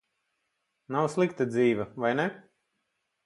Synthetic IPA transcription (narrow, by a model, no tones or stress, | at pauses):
nawslˠikt̪ad̪ziːʋavajnɛ